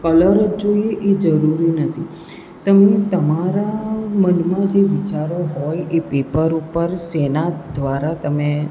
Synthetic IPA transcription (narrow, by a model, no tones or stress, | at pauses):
kələɾəd͡ʒd͡ʒoieʔed͡ʒəɾuɾinət̪ʰi | t̪əmet̪əmaɾamənmãd͡ʒeʋit͡ʃaɾoɦɔjepepəɾupəɾsenad̪ʋaɾat̪əme